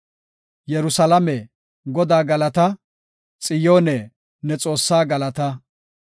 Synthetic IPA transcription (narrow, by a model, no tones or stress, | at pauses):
jɛɾʊsɐlɐmɛ | ɡɔd̪aːɡɐlɐt̪ɐ | t͡sʼɪjo̞ːnɛ | nɛt͡sʼo̞ːsːaːɡɐlɐt̪ɐ